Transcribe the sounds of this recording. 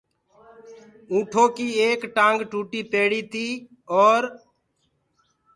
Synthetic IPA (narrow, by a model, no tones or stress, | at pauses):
ũːʈʰoːkiːeːkʈãːŋɡʈuːʈiːpeːɽiːt̪iː | ɔːɾ